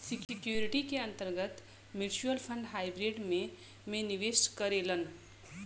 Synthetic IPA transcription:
sikikjoɾiʈikeə̃nt̪əɾɡət̪ | miɾt͡ʃuəlpʰə̃ɳɖɦaːjbɾeɖmẽ | mẽniʋeskəɾelən

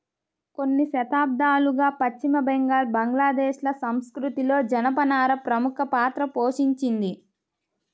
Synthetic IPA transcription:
ko̞nːiʃɐt̪aːb̚d̪aːluɡaːpɐt͡ʃːimɐbɛŋɡaːlbɐŋɡlaːd̪ɛːʃlɐsɐmskɾut̪ilo̞ːd͡ʒɐnɐpɐnaːɾɐpɾɐmukʰɐpaːt̪ɾɐpoːʃiɲt͡ʃind̪i

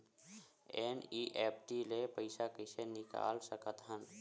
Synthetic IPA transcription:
eːniːʔeːpʰʈilepəɪsakɪsenɪka̰ːlsəkət̪ɦən

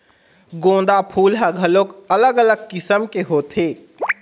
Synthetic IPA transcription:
ɡõd̪apʰuːlɦəɡʱəlokələɡələɡ̚kɪsəmkeɦot̪ʰe

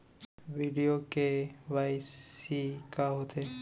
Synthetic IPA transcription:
ʋiɖijokeʋajsikaɦot̪e

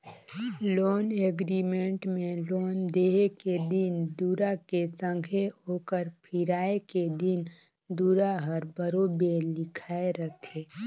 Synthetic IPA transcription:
loːneɡɾimẽɳʈmẽloːnd̪eɦeked̪ind̪uːɾakesə̃ŋɡʱeɦoːkəɾpʰiɾaːeked̪in | d̪uːɾaɦəɾbəɾobelɪkʰaeɾət̪ʰeː

